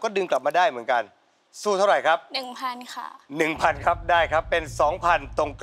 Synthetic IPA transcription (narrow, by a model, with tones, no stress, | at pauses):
kɔː˥˩dɯː˧mkla˨˩p̚maː˧daː˥˩jmɯ˩˦ənka˧n | suː˥˩t̪ʰa˥˩wɾa˨˩jkʰa˦˥p̚nɯ˨˩ŋpʰa˧nkʰa̰˥˩nɯ˨˩ŋpʰa˧nkʰa˦˥p̚daː˥˩jkʰa˦˥pːe˧nsɔː˩˦ŋpʰa˧nt̪o˧ŋk